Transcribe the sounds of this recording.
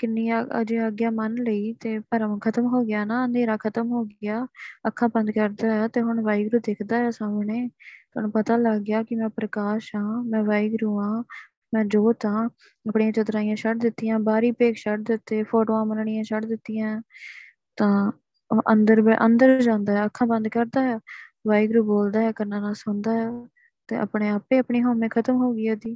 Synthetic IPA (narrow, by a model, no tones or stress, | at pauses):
kɪnːiːaə̰d͡ʒeːəɡjaːmənləiːt̪eːpəɾkʰət̪əmɦoːɡɪjaːnaːənd̪ʱeːɾaːkʰət̪əmɦoːɡɪjaːəkʰːãːbə̃nd̪kəɾd̪aːɛːt̪eːɦʊɳʋaːɪɡɾuːd̪eːkʰd̪aːɛːsaːmɳeːʊñːpət̪aːləɡɡɪjaːkɪmɛ̃ːpɾəkaːʃɦãːmɛ̃ːʋaːɪɡɾuːãː | mɛ̃ːd͡ʒoːt̪ãː | əpɳiːãːt͡ʃət̪ɾaːĩjãːt͡ʃʰəʈ̚d̪ɪt̪ːijãːbaːɾiːpeːkʰt͡ʃʰəʈd̪ɪt̪ːeːpʰoːʈoːãːmənɳiːãːt͡ʃʰəʈd̪ɪt̪ːijãː | t̪ãː | ʔənd̪əɾbʔənd̪əɾd͡ʒãːnd̪aːɦɛːəkʰːãːbə̃nd̪kəɾd̪aːɦɛːʋaːɪɡɾuːboːld̪aːɦɛːkəɾnaːnaːsʊ̃nd̪aːɦɛː | t̪eːʔə̰pɳeːaːpːeːəpɳiːɦoːmẽːkʰət̪əmɦoːɡiːaːd̪iː